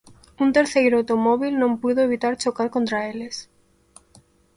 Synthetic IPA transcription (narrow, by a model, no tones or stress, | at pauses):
unt̪e̞ɾθejɾawt̪omoβ̞ilnõmpuðoeβ̞it̪aɾt͡ʃokaɾkont̪ɾaeles